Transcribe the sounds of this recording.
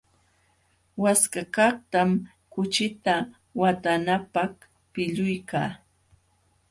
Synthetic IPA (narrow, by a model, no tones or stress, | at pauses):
waskakaχt̪am | kʊt͡ʃɪt̪a | wat̪anapaχ | pɪʎʊjkaː